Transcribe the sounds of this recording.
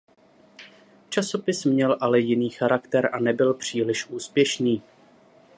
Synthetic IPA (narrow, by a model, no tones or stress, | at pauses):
t͡ʃaso̞pɪsmɲɛlʔalɛjɪniːxaɾakt̪ɛɾʔanɛbɪlpr̝̥iːlɪʃʔuːspjɛʃniː